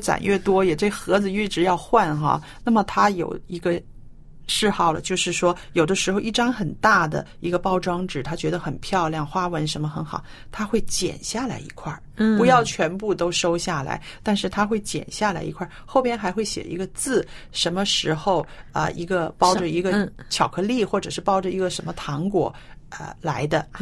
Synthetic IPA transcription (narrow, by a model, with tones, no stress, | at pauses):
t͡sa̰˨˩nɥɛ˥˩t̪wɔ˥jɛ˨˩ʈ͡ʂe˥˩xɤ˧˥d͡zɹ̩˧y˥˩ʈ͡ʂɻ̩˧˥jɑ˥˧ʊxwa˥˧nxɑ̰˧ | na˥˩mə˩t̪ʰa˥jo˨˩ʊi˧˥ɡə˧ | ʂɻ̩˥˧xɑ˥˩ʊlə̰˩t͡ɕjo˥˧ʊʂɻ̩˥˩ʂwɔ˥jo˨˩d̪ə˦ʂɻ̩˧˥xo˧ʊʔi˥˩ʈ͡ʂɑ˥ŋxə˨˩nt̪a˥˩d̪ə̰˩i˧˥ɡə˧pɑ˥˧˩ʊʈ͡ʂɑ˥ŋʈ͡ʂɻ̩˨˩t̪ʰa˥t͡ɕɥɛ˧˥d̪ə˧xə˨˩npʰjɑ˥˧ʊljɑ˥˩ŋxwa˥wə˧˥nʂə˧˥nmə˧xə˧˥nxɑ˨˩ʊ | t̪ʰa˥xwe˥˩ɪt͡ɕjɛ̰˨˩nɕja˥˩la̰˧˥ɪḭ˧˥kʰwa˥˩ | pu˧˥jɑ˥˩ʊt͡ɕʰɥɛ˧˥npu˥˩t̪o˥ʊʂo˥ʊɕja˥˩la̰˧˥ɪt̪a˥˧nʂɻ̩˥˩t̪ʰa˥xwe˥˩ɪt͡ɕjɛ̰˨˩nɕja˥˩la˧˥ɪḭ˧˥kʰwa˥˩xo˥˩ʊpjɛ˥nxa˧˥ɪxwe˥˩ɪɕjɛ̰˨˩˨ḭ˧˥ɡə˧t͡sɹ̩˥˩ʂə˧˥nmə˧ʂɻ̩˧˥xo˧ʊə̰˧i˧˥ɡə˧pɑ˥ʊʈ͡ʂə˨i˧˥ɡə˧t͡ɕʰjɑ˨˩ʊkʰɤ˥li˥˩xwɔ˥˩ʈ͡ʂɤ˨˩ʂɻ̩˥˩pɑ˥ʊʈ͡ʂə˨i˧˥ɡə˧ʂə˧˥nmə˧t̪ʰɑ˧˥ŋkwɔ̰˨˩ə̰˧la˧˥ɪd̪ə˧